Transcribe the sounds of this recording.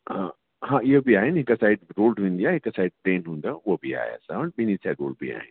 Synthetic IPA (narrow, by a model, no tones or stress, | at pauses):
ɦãːɪɦobiaːɦɪnɦɪkəsaːɪɖ̚ɾoːlɖʋẽːnd̪iaːɦɪkəsaːɪɖ̚ʈẽːnɦũːnd̪aʊɦobʱia̰ːɦj̰saʋənbɪnisʰaɪɡo̰ːlɖbʱia̰ːɦɪ̰n